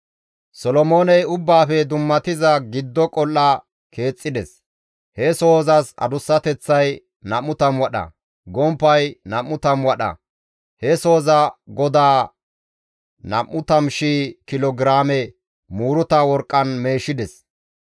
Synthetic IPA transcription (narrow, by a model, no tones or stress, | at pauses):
sɔlɔmo̞ːnɛjʊbːaːfɛd̪ʊmːɐt̪ɪzɐɡɪd̪ːɔkʼɔlːɐ | kʰe̞ːt͡sʼːɪd̪ɛs | hɛso̞ːzɐsɐ̰d̪ʊsːɐt̪ɛt͡sːɐj | nɐmːʊt̪ɐmwɐɗɐ̰ | ɡɔmpːɐjnɐmːʊt̪ɐmwɐɗɐ̰ | hɛso̞ːzɐɡɔd̪aː | nɐ̰mːʊt̪ɐmʃiːkɪlɔɡɾaːmɛ | muːɾʊt̪ɐwɔɾkʼːɐnme̞ːʃːɪd̪ɛs